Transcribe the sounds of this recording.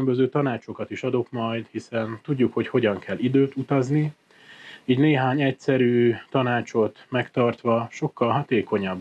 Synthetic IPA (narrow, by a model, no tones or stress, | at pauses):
mbøzøːt̪ɒnaːt͡ʃo̞kɒt̪iʃɒd̪o̞kmɒjd̪hisɛnt̪uɟːukho̞cho̞ɟɒŋkʰɛlːid̪øːt̪ut̪ɒzni | iːɟneːɦaːɲɛcsɛɾyːt̪ɒnaːt͡ʃo̞t̪mɛkt̪ɒrt̪ʋɒʃo̞kːɒlɦɒt̪eːko̞ɲɒb